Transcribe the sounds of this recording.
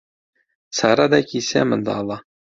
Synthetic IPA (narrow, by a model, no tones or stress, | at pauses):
sɑɾɑd̪ɑkisæ̰mɤ̆nd̪ɑ̰ːlˠɑ